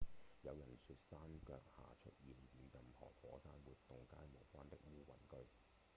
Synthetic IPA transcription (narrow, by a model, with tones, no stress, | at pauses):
jɐ˨˧wjɐ˨˩nsy˧t̚saː˥mkœː˧k̚ha̰ː˨˩t͡ʃʰɵ̰˦˥t̚jiː˨˩mjiː˨˧njɐ˨mhɔ̰ː˨˩fɔː˨˥saː˥nwuː˨t̚t̪ːʊ˨ŋkaː˥jmo˨˩wkʷaː˥nt̪ɪ˥k̚wuː˥wɐ̰˨˩nkɵ˥ɥ